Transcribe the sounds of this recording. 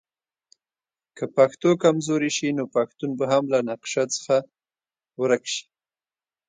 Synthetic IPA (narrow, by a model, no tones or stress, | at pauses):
kəpaxt̪okamzoɾiʃinopaxt̪unbaɦamlanaqʃat͡sə̥xa | wəɾakʃi̥